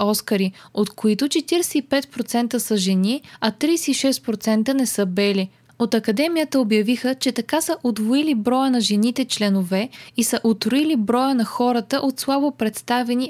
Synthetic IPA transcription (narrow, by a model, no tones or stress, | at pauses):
ɔskəɾiot̪koit̪ʊt͡ʃɛt̪iɾɛsɛipɛt̪̚pɾot̪sɛnt̪əsəʒɛniɐt̪ɾiːsɛiʃɛst̪̚pɾot̪sɛnt̪ənɛsəbɛli | ot̪ɐkɐd̪ɛmijət̪əobjɐvixət͡ʃɛt̪ɐkasəʔod̪voilibɾɔjənɐʒɛnit̪ɛt͡ʃlɛnovɛisəʔot̪ɾoilibɾɔjənɐxɔɾət̪əʔot̪slˠabopɾɛt̪st̪avɛni